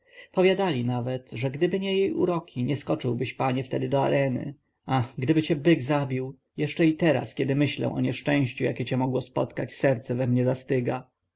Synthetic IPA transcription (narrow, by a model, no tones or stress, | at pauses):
pɔvʲjad̪alʲinavɛt̪ʐɛɡd̪ɘbɘɲɛjejṵɾɔkʲʰiɲɛskɔt͡ʂɘwbɘɕpaɲɛft̪ɛd̪ɘd̪ɔaɾɛnɘ̰ | axɡd̪ɘbɘt͡ɕɛbɘɡzabʲiw | jɛʂt͡ʂɛit̪ɛɾa̰skʲɛd̪ɘmɘɕlɛ̰w̃ʔɔ̰ɲɛʂt͡ʂɛ̃w̃ɕt͡ɕuja̰kʲɛt͡ɕɛmɔɡwɔspɔ̰t̪kat͡ɕsɛɾt̪sɛvɛmɲɛzast̪ɘɡa